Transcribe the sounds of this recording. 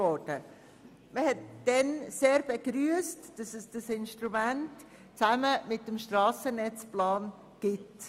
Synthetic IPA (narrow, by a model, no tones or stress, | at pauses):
ɔd̥ə | məhɛtd̥ɛnseːɾb̥eɡɾyəstd̥ɑsɛsd̥ɑsɪnʃtɾumænt | t͡sæməmɪtːəmʃtrɑːsənɛt͡splɑːn | ɡ̥ɪt